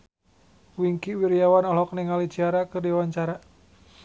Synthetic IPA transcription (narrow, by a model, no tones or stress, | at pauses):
wiŋkiwiɾijawanɔlɔk̚niŋali̥d͡ʒ̥iaɾakərdiwaɲt͡ʃaɾa